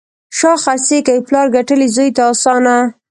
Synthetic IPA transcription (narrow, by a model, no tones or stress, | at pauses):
ʃɑxasekajplɑɾɡaʈəlizojt̪aːsɑna